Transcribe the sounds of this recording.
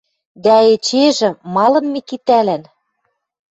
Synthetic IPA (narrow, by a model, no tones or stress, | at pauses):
d̪æet͡ɕeʒɘ̆mɑlɤ̆nmekit̪ælæn